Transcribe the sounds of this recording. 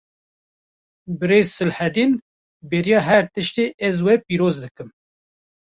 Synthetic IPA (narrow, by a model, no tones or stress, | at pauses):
bɨɾeːzsɨlhɛd̪iːn | beɾijɑːɦɛɾt̪ɨʃt̪eːʔɛzwɛpiːɾoːzd̪ɨkɨm